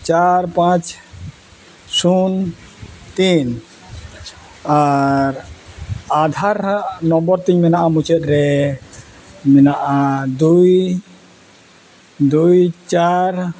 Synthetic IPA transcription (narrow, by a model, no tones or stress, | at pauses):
t͡ʃaɾpãt͡ʃ | sun | t̪in | aɾ | ad̪ʱaɾaʔnɔmbɔɾt̪iɲmɛnaʔamut͡ʃɛt̪̚ɾɛ | mɛnaʔad̪uj | d̪ujt͡ʃaɾ